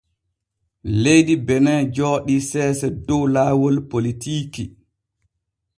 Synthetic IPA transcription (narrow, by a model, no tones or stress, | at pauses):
lejdibɛnɛd͡ʒɔːɗisɛːsɛdɔwlaːwɔlpolitiːki